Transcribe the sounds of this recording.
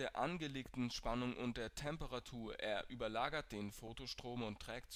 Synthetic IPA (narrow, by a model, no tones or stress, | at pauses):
eːɐʔanɡəleːk̚tn̩ʃpanʊŋʔʊ̰nt̚d̥eːɐtʰɛmpəʁatʰuːɐʔeːɐʔyːbɐlaːɡɐt̚d̥eːnfoːtoʃtʁ̥oːmʊntʁ̥ɛːktt͡s